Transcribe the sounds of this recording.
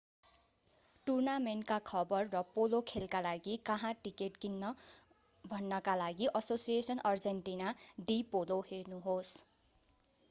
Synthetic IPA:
ʈurnamenʈkakʰʌbʌrːʌpolokʰelkalaɡikʌɦãʈikeʈkinːʌ | bʱʌnːʌkalaɡiʔʌsosijesʌnʌrd͡zenʈinad̪ipoloɦernuɦos

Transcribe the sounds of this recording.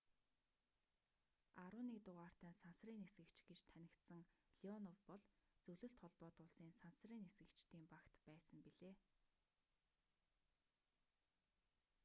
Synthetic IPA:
aɾʊːniːk̚t̪ʊʁaːr̥t̪æːnsansriːnesɡɘ̆kt͡ɕɡ̥et͡ɕt̪ʰænʲɪ̆kt̪sə̆ŋɮiɔnɔwpɔɮt͡sɵɮɵ̆ɬt̪χɔɮpɔːt̪ʊːɮsiːnsansriːnesɡɘ̆kt͡ɕt̪iːmpakt̪pæːsə̆mpiɮeː

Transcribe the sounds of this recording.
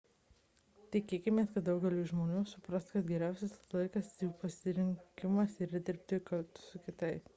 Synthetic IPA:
t̪ʲɪkʲeːkʲɪmʲeːskɐt̪̚d̪ʊɡʲɛlʲuːʒmoːnʲuːsʊpɾɐst̪kɐt̪ɡʲɛɾʲæˑʊsʲɛslˠɐɪkɐsipɐsʲɪɾʲɪŋʲkʲɪmɐsiːɾɐd̪ʲɪɾʲp̚ʲt̪ʲɪkɐlʲt̪ʊ̥sʊkʲɪt̪ɐɪp

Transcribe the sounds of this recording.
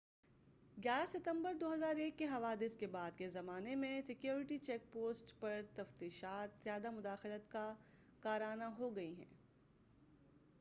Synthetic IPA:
ɡjaːɾasɪt̪ə̃mbəɾd̪oːɦɐzaːɾeːkːeɦɐʋaːd̪ɪskebaːd̪̚kezɐmaːnemẽsɪkjoːɾɪʈit͡ʃɛːk̚poːsʈpɐɾt̪ɐft̪iːʃaːt̪z̥jaːd̪amʊd̪aːxɪlət̪ka | kaːɾaːnaɦoɡɐiɦɛ̰̃ː

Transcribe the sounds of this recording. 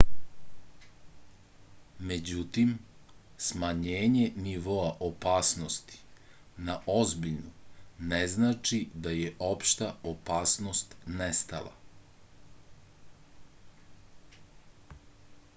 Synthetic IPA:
med͡ʑut̪im | smaɲeːɲe̞niʋo̞aʔopaːsno̞st̪i̥ | naʔo̞zbiʎnuneznaːt͡ʃid̪ajeʔo̞pʃt̪aopaːsno̞st̪nest̪a̰la̰

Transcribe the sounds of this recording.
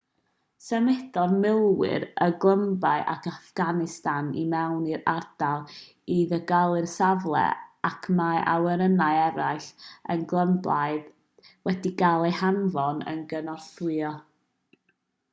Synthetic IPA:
sɛmɛdɔrmɪlˠwɪ̰ɾəɡlˠəmbaɨʔakʰafɡ̥anɪstanimɛwniɾard̥alˠ | iðəɡalˠɨrsavlˠɛ̰akʰmaʔawɛɾənaɨɛɾaɨɬə̰nɡlˠəmblˠaɨð | wɛdiɡalˠehanvɔnə̰nɡənɔrθɨɔ

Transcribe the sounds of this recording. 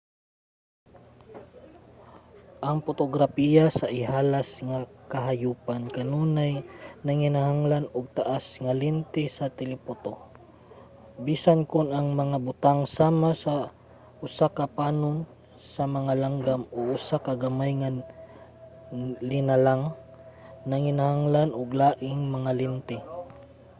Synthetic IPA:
ʔɐŋpot̪oɡɾapijasɐʔɪɦaːlasŋakɐɦajuːpankɐnuːnajnɐŋɪnaɦaŋlanʊɡ̚t̪aʔasŋɐlɪnt̪ɪsɐt̪ɪlɪpot̪o | biːsankʊnɐŋmɐŋabʊt̪aŋsaːmasa | ʔʊsakɐpaːnʊn | sɐmɐŋalaŋɡamoʔʊsakɐɡamajŋa | lɪnalaŋ | nɐŋɪnahaŋlanʔʊɡlaːʔɪŋmɐŋalɪnt̪ɪ

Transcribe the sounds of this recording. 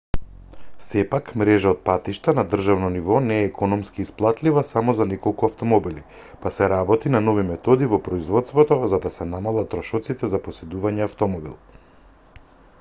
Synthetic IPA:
sɛpakmɾɛʒaɔt̪̚pat̪iʃt̪anad̪r̩ʒavnɔnivɔnɛːkʰɔnɔmskiːsplˠat̪livasamɔzanɛkɔlˠkuaft̪ɔmɔbili | pasɛɾabɔt̪inanɔvimɛt̪ɔd̪ivɔpɾɔizvɔt̪st̪vɔt̪ɔzad̪asɛnamalˠat̪ːɾɔʃɔt̪sit̪ɛzapɔsɛd̪uvaɲɛaft̪ɔmɔbḭlˠ

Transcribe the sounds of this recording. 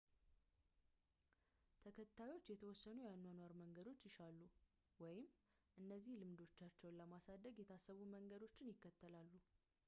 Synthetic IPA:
t̪ʰəkʰət̪ʰːajo̞t͡ʃːjɛt̪ʰəwɔsːənujanːanwaɾməŋɡəd̪o̞t͡ʃːjɪʃalːu | wɔjɪm | ʔɨnːəzːihlɨmd̪o̞t͡ʃːat͡ʃːɛwnləmasad̪ːəɡet̪ʰasəβuməŋɡəd̪o̞t͡ʃːɪnjɪkːət̪ːəlalːu

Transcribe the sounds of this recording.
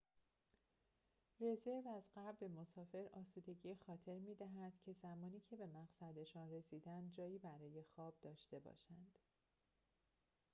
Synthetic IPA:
re̞ze̞ɾvæzɢæɾbbe̞mo̞sɒːfe̞ɾʔɒːsuːd̪e̞ɟiːexɒːt̪ʰe̞ɾmiːd̪æɦæd̪̥cʰe̞zæmɒːniːcʰe̞be̞mæɣsæd̪e̞ʃɒːnre̞siːd̪ænd̪̚d͡ʒɒːjiːbæɾɒːje̞xɒːb̚d̪ɒːʃt̪e̞bɒ̰ːʃænd̪̥

